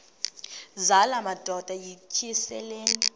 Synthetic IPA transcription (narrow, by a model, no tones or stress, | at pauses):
zalamad̥ʱɔd̥ʱajit͡ʃʰiɛsɛleːni